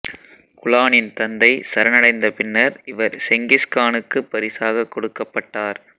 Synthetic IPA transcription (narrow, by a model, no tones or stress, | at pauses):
kʊlaːnɪnt̪ɐnd̪ɐɪsɐɾɐnɐɽɐɪnd̪ɐpɪnːɐɾɪʋɐɾsɛŋɡɪskaːnɯkːɯpːɐɾɪsaːɣɐkːɔɽɯkːɐpːɐʈːaːɾ